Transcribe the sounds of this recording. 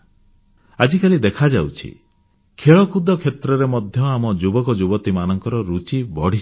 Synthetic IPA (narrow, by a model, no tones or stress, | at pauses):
ad͡ʒikalid̪ekʰad͡ʒawt͡ʃʰḭ | kʰeɭɔkʰud̪ɔkʰet̪ɾɔɾemɔd̪ʱjɔamɔd͡ʒubɔkɔd͡ʒubɔt̪imanɔŋkɔɾɔɾut͡ʃibɔɽ̤i